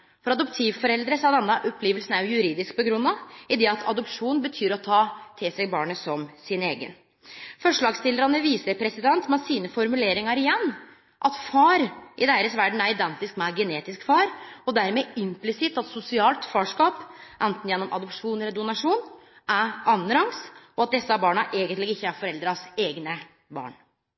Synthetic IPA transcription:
fɔɾɑd̪ɔpt̪ʰiːʋfɔɾɛld̪ɾəsɑd̪ɛnːəʔɔpʰleːʋəlsən̩æɾjʊjʉɾiːd̪ɪsk̚pɔɡɾʉnːɑɪd̪ɛɑt̪ʰɑ̰d̪ɔpʂuːnbət̪ʰyːɾɔt̪ʰɑːt̪ʰɪlsæɪbɑːɳəsɔmsɪneːɡə̰n | fɔʂɭɑːɡst̪ɪləɾɑnəʋiːsəɾpʰɾɛsɪd̪ɛnt̪mɛsiːnəfɔɾmʉleːɾɪŋɑɾɪjɛnː | ʔɑt̪fɑːɾʔɪd̪eːɾəsʋæɖɳ̩æɾɪd̪ɛnt̪ɪskmɛæɡɛneːt̪ɪskfɑːɾɔd̪æɾmɛɪmplɪsɪt̪ːɑt̪sʊsɪɑːlt̪fɑːʂkɑːpʔɛnt̪n̩jɛnːɔmʔɑ̰d̪ɔpʂuːnɛlːəɾd̪ʊnɑʂuːn | ʔæɑnːəɾɑŋsɔɑt̪̚d̪ɛsːəɑbɑːɳɑʔeːɡənlɪɡɪçːəæɾfɔɾɛld̪ɾəɑseːɡnə | bɑ̰ːɳ

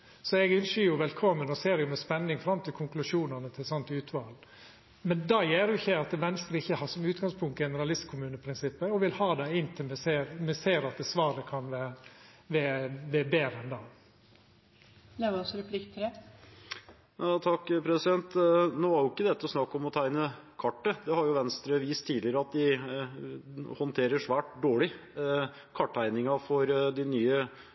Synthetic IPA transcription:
sɔɛɡʏnʂəjʊʋɛlkʰɔmːənɔseːɾjʊmɛspɛnːɪŋfɾɑmt̪ʰɪlkʰʊŋklʉʂuːnɑnət̪ʰɪlsɑnt̪ʉːt̪ʰʋɑːl | mɛnd̪ɑːjeːɾjʊɪçːəɑt̪̚ɛʋɛnst̪ɾəɪçːəhɑːʂɔmʉːt̪ɡɑŋspʰʊŋt̪ɡɛnəɾɑlɪst̪kʰʊmʉːnəpʰɾɪnsɪpːəɔʋɪlhɑːd̪ɛɪnːt̪ʰɪlmɛseːɾmɛseːɾɑt̪̚d̪ɛsʋɑːɾəkʰɑnʋɛʋɛʋɛbeːɾəɛnd̪ɑː | leʋɔsɔɾɛpʰlɪkt̪ʰːɪɾɛ | ɑːt̪ʰɑkːpʰɾɛsɪd̪ɛnt̪noːɑɾjʊɪkːəd̪ɛt̪ːəɔsnɑkːɔmɔt̪ʰæɪnəkʰɑʈːəd̪ɛhɑɾjʊʋɛnst̪ɾəʋiːst̪ʰiːd̪ɪəɾəɑt̪̚d̪ɪ | hɔnt̪ʰeːɾəʂʋæːʈ̚d̪oːɭɪ | kʰɑʈːæɪnɪŋɑfɔɾd̪ɪnyːə

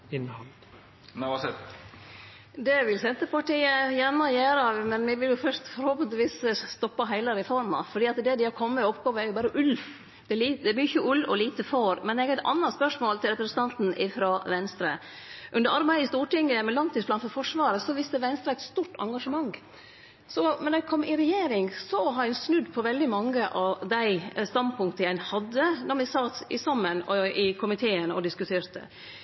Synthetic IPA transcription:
ɪnhɑl | sɛ | d̪ɛʋɪlsɛnt̪əpɑʈiːəjæɳəɔjøːɾəɑʋmɛnʋɪʋɪljʊfœʂt̪fɔɾhoːpənt̪ɪʋiːsst̪ɔpːɑɦæɪlɑɾɛfɔɾmɑ̰fɔɖiːɑt̪d̪ɛd̪ɪhɑɾkʰɔmːəɔpɡoːʋəæɾjʊbɑːɾəʔʉl | d̪̥ɛliːd̪ɛæɾmyçəʔʉlːɔliːt̪əfoːɾmɛnɛɡɾæɪt̪ʰɑ̰nːɑt̪spœʂmoːlt̪ʰɪlɾɛpɾəsən̩ɑnt̪n̩ʔɪfɾɑʋɛnst̪ɾə | ʔʉnd̪əɾɑɾbæɪəɪst̪uːʈɪŋːəmɛlɑnt̪yːsblɑːnfɔɾfɔʂʋɑːɾəsɔʋɪst̪əʋɛnst̪ɾəæɪt̪st̪uːʈɑ̰ŋɡɑʂəmɑŋː | sɔmɛnɛkʰɔmːɪɾɛjeːɾɪŋsɔɦɑɾsnʉd̪ːpʰɔʋɛld̪ɪmɑŋːəʔɑd̪æɪst̪ɑnpʰʊŋkt̪əjæɪnhɑd̪ːənɔɾmɪsɑt̪ɪsɑmːənɔɪkʰʊmɪt̪ʰeːənɔ̰d̪ɪskʉt̪ʰeːɾt̪ə̰

